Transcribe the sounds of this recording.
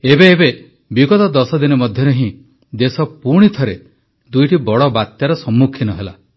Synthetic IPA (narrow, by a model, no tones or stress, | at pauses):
ebeːbe | biɡɔt̪ɔd̪ɔsɔd̪inɔmɔd̪ʱjɔɾeɦĩ | d̪esɔpuɾɽ̃it̪ʰɔɾe | d̪ujʈibɔɽɔbat̪jaɾɔsɔmːukʰinɔɦela